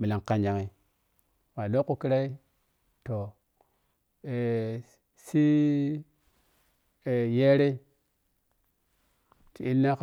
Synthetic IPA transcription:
mi˨la˨ŋka˨ɲd͡ʒa˨ŋi˦ | wa˨lo˦kːu˦ki˦ɾa˦i˦ | to˨ | e˨ | si˦ | e˨je˦ɾe˦ | ti˨i˦lna˦

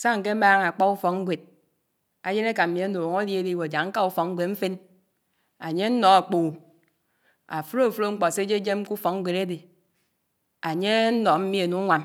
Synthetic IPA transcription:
sa˦ŋ̩˨ke˦maː˦ŋa˨k͡pa˦u˦fɔ˨k̚ŋ̩˦ɡʷe˨d̚ | a˨je˦ne˦ka˨m̩˨mi˨a˦no˨ŋo˦lje˦di˦we˨a˨d͡ʒa˨ŋŋ̩˦ka˦u˦fɔ˨k̚ŋ̩˦ɡʷe˨tɱ̩˦fe˦n | a˨ɲe˦n̩˦nɔ˨a˨k͡po˨ | a˨fɾo˦˨fɾo˦ŋ͡m̩˦k͡pɔ˨se˦d͡ʒe˦d͡ʒe˦m˦ku˦fɔ˨k̚ŋ̩˦ɡʷe˨ɾe˦de˨ | a˨ɲe˦n̩˦nɔ˨m̩˦mi˦e˨nu˨˦ŋʷa˨m

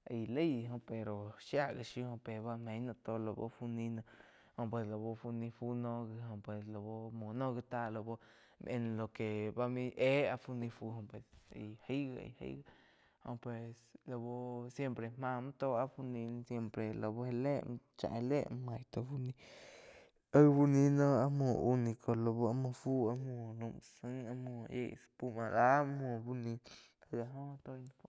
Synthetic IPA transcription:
a˧le˦jɦo˧pe˨ɾo˨ʃja˦ɡa˧˨ʃi˧ho˧pe˨ba˦˧me˧˦ɲnã˧t̪o˧lo˧bo̰˧fu˧nĩ˧na˧ | ho˧p̬we˧slo˨bo˧fu˧nĩ˧fu˦nõ˦ɡa˧ɦo˧pwe˨slo˨bo˧mo˨nõ˦ɡi˧t̪a˦lo˧˨bo˦ | mʔe˧n˧lo˨ke˨ba˧mi˦ʔe˦a˧fu˧nĩ˧fu˧ɦõ˧pwe˨sḛ˧jhi˦ɡa˧ḛ˨hḛ˧˦jɡa˦ | ho˧pwe˨slo˧bo˧sje˧mpɾe˨m̥ã˧m˦t̪o˧a˧fu˧nĩ˧n˧sje˧mpɾe˨lo˧bo˧he˧le˦m˧ | t͡ʃã̰˧˨he˧le˦ʔm˧mã˧˨jt̪o˧fu˦nĩ˧ | ə˦bu˦nĩ˧nõ˦a˦mõ˧˨u˦nĩ˧kʰo˧lo˧bo˧˦a˧mã˧fu˦a˧mũ˧nũ˧msɨ˦ŋa˧mũ˧˨ḛ˧ʔspu˦mã˧ɾa˦mũ˧˨bu˦nĩ˧ | a˧ɡa˧ɦõ˦˧t̪o˧jn˧fu˨

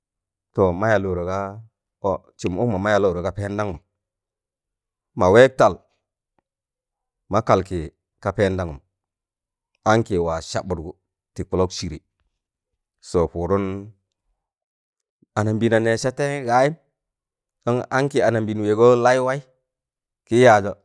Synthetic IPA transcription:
to˨ma˦ja˨lo˨ɾo˨ka˦ | t͡ʃu˨mṵ˦kma˨ma˦ja˨lo˨ɾo˨ka˦pe˦nda˦ŋu˨m | ma˨we˦k̚ta˨l | ma˦ka˨lki˨ | ka˦pe˦nda˦ŋu˨m | a˦ŋki˨wa˨ʃa̰˨bu˨ɾɡu˨ | ti˨ku˨lo˦kt͡ʃi˨ɾe˨ | so˨pu˨ɾu˦n | a˨na˨mbi˨na˨ne˨ʃa˦te˦ɡa˦ji˦m | do˦ŋa˦ŋki˨a˨na˨mbi˨nwe˨ɡo˦la˦i˦wa˦i˦ | ki˦ja˨do˨

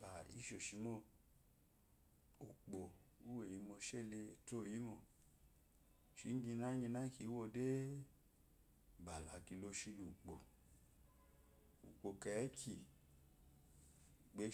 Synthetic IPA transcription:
ba˨ḭ˦ʃo˨ʃi˨˧˦mɔ˦˨ | u˨k͡po˨u˦we˦˨i˨˦mɔ˧ʃe˦˨le˧˨to˦˨ji˨˦mɔ˧˨ | ʃi˨˦n˦ɡi˧na˦ɲi˧na˦ki˧˨˦wo˦˨de˦ | ba˨la˨ki˧lo˧ʃi˧lu˨k͡po˨ | ṵ˨k͡po˨kɛ˨˦kʰi˨ | ɡ͡be˨˦

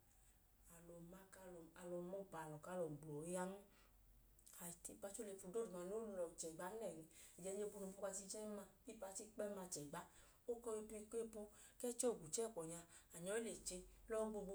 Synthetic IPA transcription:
a˨lɔ˨ma˦ka˧˦lɔ˨a˨lɔ˧mɔ˦k͡pa˨lɔ˨ka˨˦lɔ˨ɡ͡blɔ˨˦ja˦n̩˦ | a˨i˦pa˧t͡ʃo˦le˧˨fu˧˨do˦˨u˨ma˧˨no˨˦llɔ˨t͡ʃɛ˨ɡ͡ba˨˦nɛ˦˨ni˧i˨d͡ʒɛ˧˦ɲe˦˧bu˧nu˧fu˦ka˧ti˧˦d͡ʒɛ˦ma˧i˦pa˧ti˦k͡pɛ˦ma˧˨t͡ʃɛ˨ɡ͡ba˨˦ | o˦kɔ˧i˧pi˧ke˦po˧ | kɛ˦t͡ʃɔ˦˨ɡu˨t͡ʃɛ˦˨kɔ˨ɲa˧a˨ɲɔ˨˦i˦le˨t͡ʃe˧lɔ˦ɡ͡bo˧ɡ͡bo˧

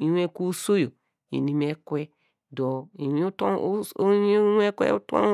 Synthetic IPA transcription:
i˨˦we˦ku˦so˦jo˨ | ḭ˨ni˦me˦kwe˦ | do˨i˨i˦t | e˦kwḛ˦u˦tõ̰˦

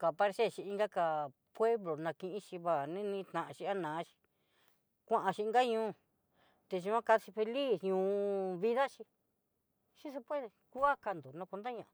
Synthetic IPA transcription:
ka˨pa˧ɾse˦˨ʃi˧i˧ŋɡa˦ka˧ | pwe˦βlo˨nã˧kĩ˧ʔĩ˦ʃi˧βa˨nĩ˦nĩ˧˦t̪nã˨ʔã˧ʃi˧a˦nãː˨˦ʃi̥˧ | kʷã˦ʔã˧ʃi˧i˧ŋɡa˦ɲũː˧˦ | t̪e˧ʒu˧ã˦ka˧si˧fe˧li˦sɲũː˧βi˧ða˦ʃi˧ | ʃi˦se˧pe˦ðe˧ku˦a˦ka˧nd̪o˨nã˧kʷa˧nd̪a˦ɲã˧ʔa˨

